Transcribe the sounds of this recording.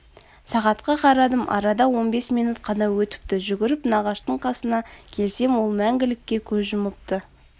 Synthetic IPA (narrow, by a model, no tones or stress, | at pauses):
sɑʁɑt̪qɑqʰɑɾɑd̪əmɑ̰ɾɑd̪ɑwo̞nbe̞smijnut̪̚qʰɑnɑwɵt̪ɪ̥p̚t̪ɪʒʏɡʲɪɾɪpnɑʁɑʃt̪əɴqʰɑsənɑkʲʰe̞lse̞mwo̞lˠmæŋɡʲɪlɪkʲːe̞kʲʰɵzʒʊməp̚t̪ə